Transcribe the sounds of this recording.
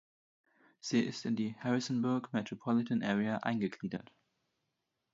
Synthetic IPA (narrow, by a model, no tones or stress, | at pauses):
z̥iːʔɪstɪndiːhɛʁɪsn̩bʊɐɡmɛtʁ̥opʰɔlɪtənʔɛːʁɛaʔa̰ɪnɡəɡliːdɐ̰t